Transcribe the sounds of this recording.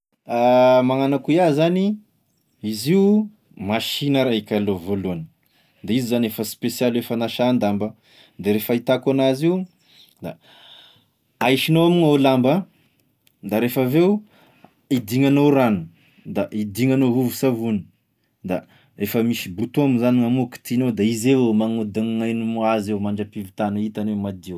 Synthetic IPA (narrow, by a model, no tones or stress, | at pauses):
amaŋanakuiazani | iziu | maʃinəɾaikʲalovoluani̥ | d̪aizizanefəspesialuefanaʃand̪ambə | d̪eɾefəit̪akanaziu | d̪a̰ | ajʃinoamiŋolambə | d̪aɾefavew | id̪iŋanoɾanu̥ | d̪aʔid̪iŋanoɦuvusavuni̥ | d̪a | efəmisibut̪omizaniŋamuki̥t̪inowd̪aizewmaŋud̪aŋŋajnumuazewmaɳɖ͡ʐapivit̪anuit̪anemad̪iw